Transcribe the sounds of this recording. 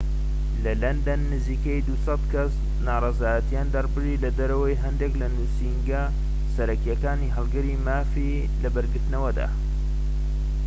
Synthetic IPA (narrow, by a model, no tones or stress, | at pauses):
lɐlɐnd̪ɐnːɨziːkɐjd̪usɑt̪kʰɐs | naːrˤɑzaːjɐt̪ijand̪ɐrpɨrilɐd̪ɐɾɐwɐjɦɐnd̪eklɐnuːsiŋɡɐ | sɐɾɐkjɐkaːniːɦɐlˠɡɐɾimaːfi | lɐbɐɾɡɨɾt̪ɨnɐwɐd̪a̰ː